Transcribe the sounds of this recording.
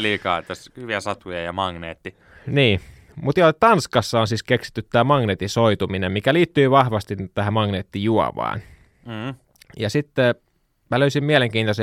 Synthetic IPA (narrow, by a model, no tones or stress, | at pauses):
liːkɑːt̪ːæshyʋiæsɑt̪ujɑjɑmɑŋneːt̪ːi | niː | mut̪iolett̪ɑnskɑsːɑːnsiːskeksi̥t̪ːyt̪tːæːmɑŋneːt̪isoit̪uminemmikæliːt̪ːyiʋɑhʋɑst̪it̪t̪æhæmɑŋneːt̪ːijuɑ̰ʋɑ̰ːn̩ː | jɑsit̪ːe | mæløysimmiæleŋkiːnt̪ose